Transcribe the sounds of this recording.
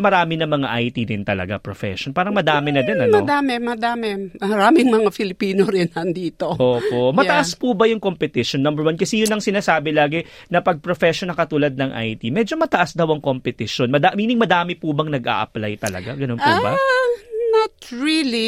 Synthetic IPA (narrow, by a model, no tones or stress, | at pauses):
mɐɾaːmɪnɐmɐŋa̰ʔɐjt̪id̪ɪnt̪ɐlɐ̰ɡa̰pɾofɛ̰ʃonpaːɾɐŋmɐd̪aːmɛnɐd̪ɛnɐnmɐod̪aːmɛmɐd̪aːmɛmɐɾaːmɪŋmɐŋafɪlɪpiːnoɾɪnɐnd̪iːt̪oʔoːpo̞mɐɐʔaspubɐjʊŋkompɛt̪ɪʃonːɐmbɛɹwankɐsɛjʊnɐŋsɪnaːsaːbɛlaːɡɪ | nɐpɐɡ̚pɾofɛʃonːɐŋkɐt̪uːlɐd̪̚nɐŋʔa̰jt̪imɛd͡ʒo̞mɐt̪ɐʔasd̪ɐwʔɐŋko̞mpɛt̪ɪʃo̞nmɐd̪amiːnɪŋmɐd̪aːmɪpubɐŋnɐɡʔa̰ːʔɐ̰plajt̪ɐlɐ̰ɡaɡɐno̞npubɐ | nɐt̪ɹili